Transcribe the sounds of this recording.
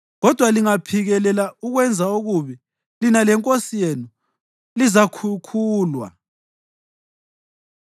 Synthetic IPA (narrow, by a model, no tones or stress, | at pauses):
ɣɔd̥ʱwaliŋapʰiɣɛlɛlauɣwɛnd͡zʱauɣuβɛ | linalɛŋkʼosijenu | lizakʰukʰuːlwa̰